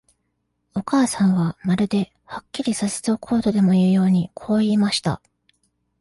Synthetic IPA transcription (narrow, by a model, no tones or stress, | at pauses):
o̞kaːsãɰ̃βamaɾɯ̟d̪e̞ | hakʲːiɾʲisase̥t͡sɨokʰo̞ːt̪o̞d̪e̞mo̞iiːjo̞ːɲ̟ikʰo̞ːiːmaɕi̥t̪a̰